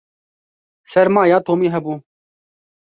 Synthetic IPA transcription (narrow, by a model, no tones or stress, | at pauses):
sɐɾmaːjaːt̪oːmiːɦɐbuː